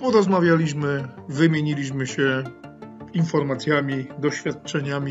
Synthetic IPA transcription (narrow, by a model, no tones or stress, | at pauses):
pɔɾɔzmavʲjalʲiɕmɘvɘmʲjeɲilʲiɕmɘɕɛ | infɔɾmat̪sʲjamʲid̪ɔɕfʲjat̪̚t͡ʂɛɲamʲi